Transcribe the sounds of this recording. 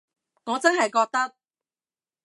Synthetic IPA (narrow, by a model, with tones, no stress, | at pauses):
ŋɔː˨˧t͡sɐ˥nɦɐ˨jkɔː˧k̚t̪ɐ˥k̚